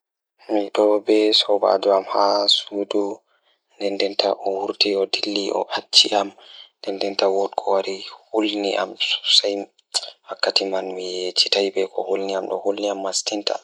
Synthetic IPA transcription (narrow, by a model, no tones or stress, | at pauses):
miɗɔbɛsɔba̰d͡ʒuamhasuːdu | ndɛndɛntʰaʔɔhuɾtiɔdilːiʔɔ̰ʔat͡ʃːiʔamndɛndɛntawɔtkʰɔwaɾihulnḭʔa̰m̥saj | hakːatimanmijet͡ʃi̥tajbɛkʰɔhulniamɗɔ̰hulniamːastinta̰